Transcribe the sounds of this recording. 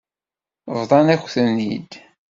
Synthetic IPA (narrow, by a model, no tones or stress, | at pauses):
vðˤɑnæçʷθənːid̪